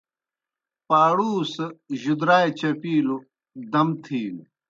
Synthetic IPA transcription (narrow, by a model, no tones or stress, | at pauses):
paːɽuːsʑud̪ɾaːjet͡ɕɐpiːlu | d̪ɐmt̪ʰiːlu